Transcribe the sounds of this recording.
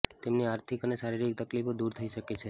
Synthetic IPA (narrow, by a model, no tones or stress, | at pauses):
t̪emniaɾt̪ʰikəneʃaɾiɾik̚t̪əklifod̪uɾt̪ʰəiʃəket͡ʃʰe